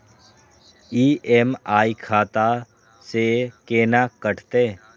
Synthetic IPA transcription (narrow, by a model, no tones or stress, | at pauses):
iːemaːikʰaːt̪a | sekeːnakəʈʰt̪eː